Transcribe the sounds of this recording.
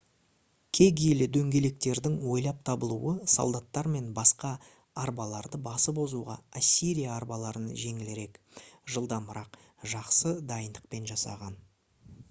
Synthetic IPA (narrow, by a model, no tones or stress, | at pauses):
kʲʰe̞ɡʲijlɪd̪ɵŋɡʲe̞le̞k̚t̪e̞ɾd̪ɪŋwo̞jlˠɑp̚t̪ʰɑbəlˠṵəso̰lˠd̪ɑt̪ːɑɾme̞nbɑsqɑː | ɾbɑlˠɑɾd̪əbɑsəpbo̞zuʁɑ̰asʲːiɾijaːɾbɑlˠɑɾənʒe̞ŋɪleɾe̞kʒəlˠd̪ɑməɾɑq | ʒɑqsəd̪ɑjənd̪əqpe̞nʒɑsɑ̰ʁɑn